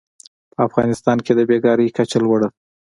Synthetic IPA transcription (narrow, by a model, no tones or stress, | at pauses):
pəafɣɑnɪst̪ɑnked̪əbeɡɑɾijkat͡ʃalwəɽə